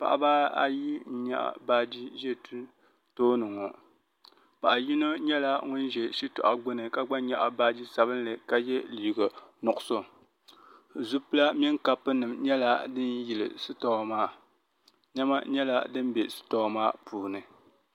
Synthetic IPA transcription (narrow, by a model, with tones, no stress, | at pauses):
pa̰˨ʔa̰˦baː˦a̰˨ji˦ɲa̰˦ʔa̰˨baː˦d͡ʒi˦ʒɛ˦tu˦n | toː˦nɨ˨ŋɔ˨ | pa˨ʔa˨ji˦no˦ɲɛ˦la˦ŋʊ˦n˦ʒɛ˨ʃi˦tʊ̰˨ʔa˨ɡ͡bʊ˦nɨ˨ka˦ɡ͡ba˦ɲa˨ʔa˨baː˦d͡ʒi˦sa˨βɨ˦n˦lɨ˨ka˦jɛ˦liː˨ɡa˨nɔ˨ʔʊ˨so˨ | zu˦pɨ˦la˦mi˦ŋka˦˨pːɨ˦nɨ˨mɲɛ˦la˦dɨ˦nji˨lɨ̰˨sɨ˦tɔ˨maː˦˨ | ɲɛ˦ma˦ɲɛ˦la̰˦dɨ˦m˦bɛ˨sɨ̥˦tɔ˨˦maː˦pʰuː˨nɨ˨